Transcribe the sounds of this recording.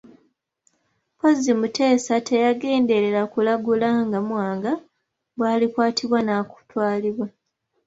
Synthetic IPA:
pozimute̞ːsatʰe̞jaɡe̞ːnde̞ɾeɾakulaɡulaŋɡamwaːŋɡa | bwaːlikwaːtʰiβwanaku̥twaːliβwa

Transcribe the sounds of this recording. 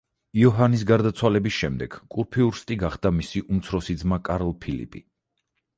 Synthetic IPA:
iɔɦanis̬ɡaɾd̪at̪sʰwalɛbisʃɛmd̪ɛɡ̥kʼuɾpʰiuɾst̪ʼiɡaχd̪amisiʔumt̪sʰɾɔsid̪zmakʼaɾɔlˠpʰilḭpʼḭ

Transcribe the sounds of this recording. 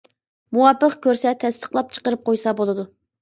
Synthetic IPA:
muwɑpːəqkʲʰøɾsɛt̪ʰɛst̪ə̥χlˠɑp̚t͡ʃʰə̥qəɾɨp̚qʰojsɑbolˠɨd̪u

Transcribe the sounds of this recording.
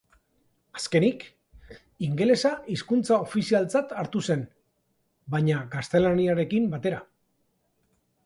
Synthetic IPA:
ḁske̞nik | iŋɡe̞le̞saiskunt͡sao̞fisialt͡sat̪aɾt̪use̞n | baɲaɡast̪e̞laniaɾe̞kimbat̪e̞ɾa

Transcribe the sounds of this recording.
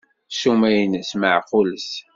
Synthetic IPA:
ʃumæjnəsməʕqʊləs

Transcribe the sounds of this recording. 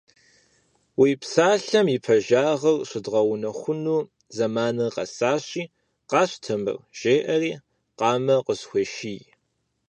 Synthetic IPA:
wiːpsaːɬɐmipʰɐʒaːʁɐrɕʷɪdʁɐwʊnɐxʷʊnuː | zɐmaːnɐqɐ̰saːɕiː | qɑːɕtʰɨmɨ̰rʒ̥eːʔɐriː | qɑːmɐqəsxʷeʃij

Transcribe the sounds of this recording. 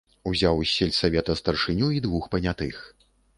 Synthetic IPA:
uzʲawsʲɛlʲsavʲɛt̪ɐst̪ɐrʂɨnʲuid̪vuxpɐnʲat̪ɨx

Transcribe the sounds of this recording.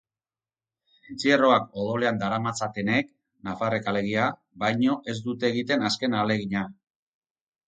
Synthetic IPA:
sint͡sie̞ro̞akoðo̞le̞and̪aɾamat͡sat̪e̞ne̞k | nafarekale̞ɣ̞ia | bajɲo̞ʔe̞zd̪ut̪e̞ːɣit̪e̞naske̞nale̞ɣiɲa

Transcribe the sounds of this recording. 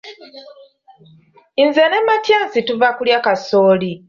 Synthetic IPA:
inzenemːatjaːnsituvakuljaːkasoːli

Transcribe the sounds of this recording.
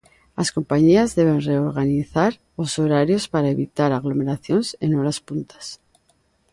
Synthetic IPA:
asko̞mpaɲiazðe̞β̞e̞nre̞oɾɣaniθaɾ | oso̞ɾaɾjo̞spaɾae̞βit̪aɾaɣlo̞me̞ɾaθjo̞nsenoɾaspunt̪ḁs

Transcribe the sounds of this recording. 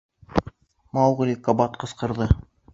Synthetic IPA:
mɑwʁɘ̆lʲikobɑt̪̚qɤ̆sqɤ̆ɾðɤ

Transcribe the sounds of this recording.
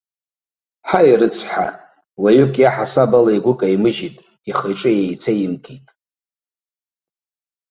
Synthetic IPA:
ħairɨt͡sʰħa̰ | waɥʏkʼjaħasabalaiɡʷʊkʼaimɨʒitʼ | iχejʈ͡ʂʼɨjejt͡sʰajimkʰitʼ

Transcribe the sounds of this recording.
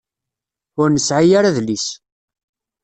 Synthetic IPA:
ʊɾnəsʕajaɾaðlis

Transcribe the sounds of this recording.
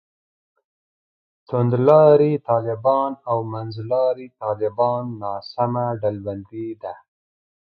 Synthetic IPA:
t̪ʊnd̪lɑɾit̪ɑlɪbɑnawmanzlɑɾit̪ɑlɪbɑnːɑsamaɖalband̪id̪a

